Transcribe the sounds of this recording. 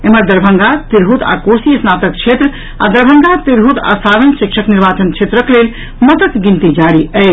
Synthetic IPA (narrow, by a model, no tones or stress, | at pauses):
eməɾd̪əɾbʱəŋɡat̪iɾɦut̪a̰kosiəsnat̪ək̚t͡ʃʰet̪ɾə | a̰d̪əɾbʱəŋɡat̪iɾɦut̪a̰saɾənsikʃʰəkniɾbat͡ʃənt͡ʃʰet̪ɾəklel | mət̪əkɡint̪id͡ʒaɾiəɪ